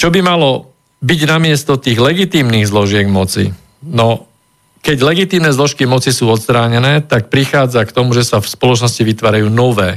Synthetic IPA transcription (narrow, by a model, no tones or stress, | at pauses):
t͡ʃɔbimalɔ | biɟnamɪɛst̪ɔt̪iːɣlɛɡit̪iːmniːɣzlɔʒɪɛɡmɔt͡sḭ | nɔ | kɛɟlɛɡit̪iːmnɛzlɔʃkimɔt͡sisuːɔt̪st̪ɾaːɲɛnɛːt̪ak̚pɾixaːd͡zakt̪ɔmuʒɛsafspɔlɔt͡ʃnɔsciʋit̪ʋaːɾajuːnɔʋɛː